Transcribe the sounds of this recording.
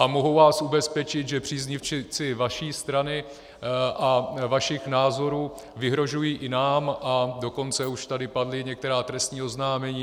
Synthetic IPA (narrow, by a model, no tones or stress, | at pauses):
ʔamoɦowvaːsubɛspɛt͡ʃɪt̪ʒɛpr̥iːzɲɪft͡ʃɪt͡sɪvaʃiːst̪ɾanɪ | ʔavaʃɪxnaːzo̞ɾuː | vɪɦɾo̞ʒujiːʔɪnaːmʔado̞ko̞nt͡sɛuʃt̪adɪpadlɪɲɛk̚t̪ɛɾaːt̪ɾɛst̪ɲiːo̞znaːmɛɲiː